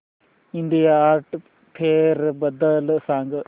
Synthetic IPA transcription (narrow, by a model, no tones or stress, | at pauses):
ind̪ijaaːɾʈ | pʰeːɾbɐd̪ɐlsaːŋɡ